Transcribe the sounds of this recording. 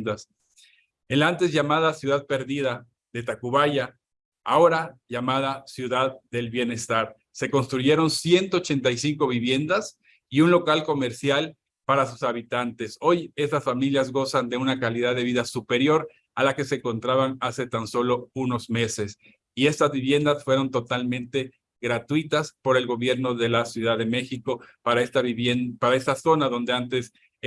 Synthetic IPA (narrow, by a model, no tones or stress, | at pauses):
d̪as | elant̪ezʝamaðasjuðað̚pe̞ɾðiða | ðe̞t̪akuβaʝa | a̰o̞ɾaʝamað̞asjuðaðd̪e̞lβje̞ne̞st̪aɾ | se̞ko̞nst̪ɾuʝe̞ɾo̞nsje̞nt̪o̞ːt͡ʃe̞nt̪ajsiŋko̞βiβje̞nd̪as | iunlo̞kalko̞me̞ɾsjal | paɾasusaβit̪ant̪e̞so̞je̞st̪asfamiljazɣo̞sand̪e̞unakaliðaðe̞β̞iðasupe̞ɾjo̞ɾ | alake̞se̞ŋko̞nt̪ɾaβanase̞t̪anso̞lo̞uno̞zme̞ses | ie̞st̪azβiβje̞nd̪asfwe̞ɾo̞nt̪o̞t̪almẽnt̪e̞ | ɣɾat̪wit̪aspo̞ɾe̞lɣo̞βje̞ɾno̞ðe̞lasjuðaðe̞me̞xiko̞paɾaest̪aβenpaɾae̞st̪aso̞naðo̞nd̪e̞ant̪e̞s